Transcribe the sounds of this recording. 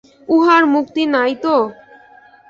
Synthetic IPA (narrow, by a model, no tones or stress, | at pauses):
uɦaɾmukt̪inajt̪o